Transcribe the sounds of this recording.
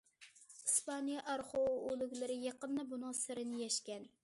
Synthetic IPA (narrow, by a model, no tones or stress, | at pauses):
ispɑnijɑʔɑɾχoolˠʊkʲlɪɾɪjɑqənːɨbunɑsɨɾɪnɪjɛʃkʲɛn